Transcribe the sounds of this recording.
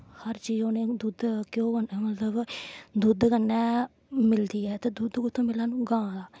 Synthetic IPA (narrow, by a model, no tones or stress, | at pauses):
həɾt͡ʃiːd͡ʒoːneːd̪uːd̪kjõːənːmət̪ləbd̪uːd̪kənːɛː | mɪld̪iːɛːt̪eːd̪uːd̪kʊt̪ʰːõːmɪlːaːnũːɡãːd̪aː